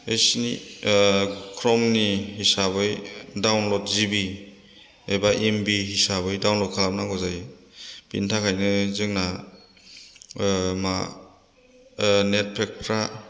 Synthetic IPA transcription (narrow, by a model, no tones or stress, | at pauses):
ejsni | kʰɾɔmnihisabɯjdawnlɔt̚zibi | ejbaʔembiɦisabɯjdawnlɔt̚kʰalap̚naɡɔzaj | b̥ḭntʰakʰajnɯzɯŋna | ma | net̚pʰek̚tʰɾa